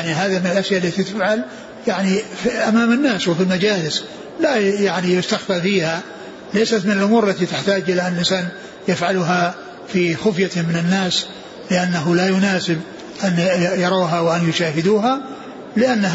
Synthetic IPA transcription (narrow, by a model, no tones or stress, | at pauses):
niɦaːðamɪnɪlʔaʃjaʔlːat̪it̪ɪfʕal | jaʕnifʔamaːmanːaːswɪfilmad͡ʒaːlɪs | lajaʕnijʊst̪axfafiːha | lajsat̪mɪnalʔʊmuːɾalːat̪it̪ɪħt̪aːd͡ʒʔɪlaʔanːlʔɪnsaːn | jafʕalʊɦa | fixʊfjamɪnanːaːs | lɪʔanːaɦʊlajʊnaːsɪb | ʔanjɑɾˤɑwɦawʔanjʊʃaːɦɪd̪uːɦa | lɪʔanːa